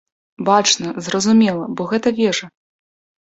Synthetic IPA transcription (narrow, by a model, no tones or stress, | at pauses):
bat͡ʂnɐzrɐzumʲɛlˠɐbɔɣɛt̪ɐvʲɛʐɐ